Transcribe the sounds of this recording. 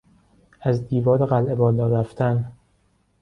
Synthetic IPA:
æzd̪iːvɒːɾeɣælʔe̞bɒːlɒːɾæft̪ʰæn

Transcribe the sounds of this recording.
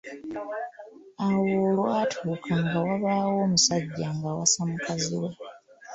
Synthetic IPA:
awoːloatʰuːkʰaŋɡawaβaːwo̞ːmusaɟːaŋɡawasamukaziwe

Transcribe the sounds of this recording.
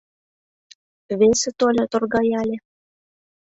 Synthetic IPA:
βesĕt̪olʲɤt̪orɣɑjɑlʲĕ

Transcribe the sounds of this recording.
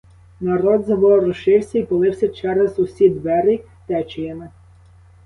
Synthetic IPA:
nɐɾɔd̪zɐʋɔɾʊʃɪwsʲɐipɔlˠɪwsʲɐt͡ʃɛɾɛzʊsʲid̪ʋɛɾi | t̪ɛt͡ʃɪjɐnɪ

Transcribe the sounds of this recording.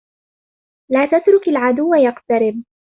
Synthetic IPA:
laːt̪at̪ɾʊkalʕad̪ʊwːajaqt̪aɾɪb̚

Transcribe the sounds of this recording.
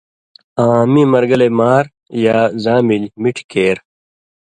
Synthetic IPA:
aːmimɐɾɡɐleːmaːɾ | jaːzaːmilmiʈʰkeːɾ

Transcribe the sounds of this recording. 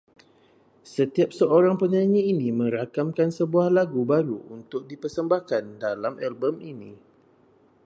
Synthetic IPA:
sət̪iap̚səoɾaŋpəɲãɲiinĩmə̃ɾakamkansəbuahlaɡubaɾuunt̪ʊk̚dipərsəmbahkandalamɛlbəminĩ

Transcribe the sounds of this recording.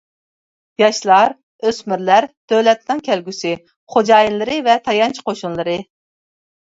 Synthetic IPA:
jɑʃlˠɑɾ | øsmyɾlæɾd̪̥ølɛt̪nɨŋkʲʰɛlɡʲysɪ | χod͡ʒɑːjinlˠɨɾɨvɛt̪ʰɑjɑnt͡ʃʰi̥qʰoʃunlˠɨɾɨ

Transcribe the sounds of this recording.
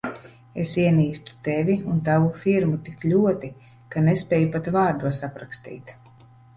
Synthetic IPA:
esiɛniːst̪u̥t̪evʲiunt̪avufiɾmut̪iklʲuɔt̪i | kanespʲɛːjupat̪vaːɾd̪uɔsapɾakst̪ḭːt̪

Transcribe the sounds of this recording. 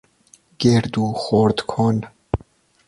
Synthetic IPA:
ɡ̥eɾd̪uxoɾd̪kʰon

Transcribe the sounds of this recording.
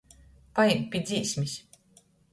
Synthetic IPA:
pajɛmpʲid̪zʲiːsʲmʲis

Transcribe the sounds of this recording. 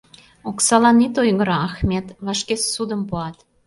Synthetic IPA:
oksɑlɑnit̪ojŋəɾɑːxmʲet̪βɑʃkessud̪əmpuɑt̪

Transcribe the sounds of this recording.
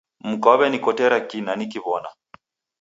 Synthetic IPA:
m̩kɔβɛnikɔtɛɾakinanikiβɔna̰

